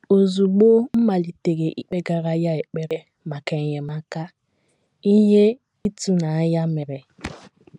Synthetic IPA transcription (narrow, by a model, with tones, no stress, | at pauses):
o˨zu˨ɡ͡bo˦m̩˦ma˨li˨te˨ɣe˨ʔi˦k͡pe˦ɡa˦ɾa˦ja˦e˨k͡pe˦ɾe˦ | ma˨ka˨ɲe˨ma˦ka˦ | i˦ɦe˦ | i˦tu˦na˨a˦ja˦me˨ɾe˨